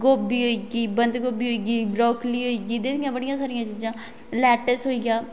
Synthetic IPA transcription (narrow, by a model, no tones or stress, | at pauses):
ɡoːbiːɦoːiːɡiːbənd̪ɡoːbiːɦoːiːɡiːbɾɔːkliːɦoːiːɡiːd̪eːt̪ijãːbəɽɪjãːsaːɾɪjãːt͡ʃiːd͡ʒãː | lɛːʈəsɦoːijãː